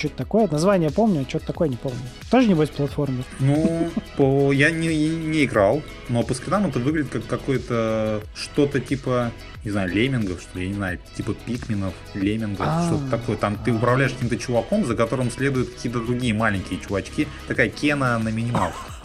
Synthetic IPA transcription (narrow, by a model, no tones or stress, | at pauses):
t͡ɕut̪̚ʲt̪ɐkojət̪nɐzvanʲɪjəpo̞mnʲʊt͡ɕot̪t̪ːɐko̞jənʲɪpomnʲʊ | t̪oʐɨnʲɪbuɪt̪plˠɐt̪fo̞rmənupojanʲɪnʲɪɪɡɾalˠ | no̞pəsʲlʲɪnamɛt̪əvɨɡlʲɪdʲɪt̪̚kakːɐko̞jt̪əʂt̪o̞t̪ətʲipə | nʲɪznajʊlʲemʲɪnɡəfʂt̪ojanʲɪznajʊtʲipəpʲikmʲɪnəf | lʲemʲɪnɡəʂt̪o̞t̪ət̪ːɐko̞jət̪amt̪ɨʊpɾɐvlʲæɪʂkɐkʲimt̪ət͡ɕʊvɐko̞mzəkɐt̪o̞ɾɨmsʲlʲed̪ʊjʊt̪̚kɐ̥kʲijət̪əd̪ɾʊɡʲijəmalʲɪnʲkʲɪjət͡ɕʊvɐt͡ɕkʲit̪ɐkajəkʲenənəmʲɪnʲɪmalˠ